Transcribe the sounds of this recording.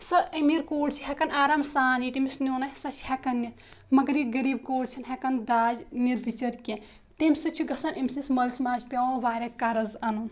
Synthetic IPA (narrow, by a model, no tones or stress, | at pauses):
sɐɐmiɾkoːɖt͡ʃʰi̥ɦekɐnaːɾaːmsaːnjit̪imisnoːnɐsɐt͡ʃʰi̥hekɐnːis | mɐɡɾiɡɐɾiːb̚koːɖt͡ʃʰinɦekɐnd̪aːd͡ʒniɾbit͡ʃɐɾkẽ | t̪emʲsɐt͡ʃʰuɡɐsɐnʔemʲsismɐlismaːd͡ʒpʲaõʋaːɾʲekɐɾɐzɐnun